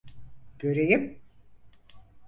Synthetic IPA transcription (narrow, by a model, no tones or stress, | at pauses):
ɟ̥øɾejim